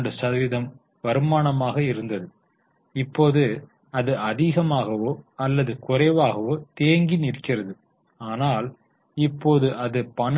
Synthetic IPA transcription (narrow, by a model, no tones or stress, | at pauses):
ɖɯsɐɐʋɪðɐm | ʋɐɾɯmaːɳɐmaːɣɐɪɾɯnd̪ɐðɯ | ɪpːoːðɯ | ɐðɯɐðiːɣɐmaːɣɐʋoːɐlːɐðɯkʊrɐɪʋaːɣɐʋoːt̪eːŋɡɪnɪrkːɪrɐðɯ | aːnaːl | ɪpːoːðɯʔɐðɯpɐɳ